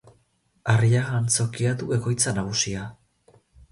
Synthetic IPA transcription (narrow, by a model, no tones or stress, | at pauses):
ariaɣant͡so̞kiat̪uβe̞ko̞jt͡sanaɣ̞usia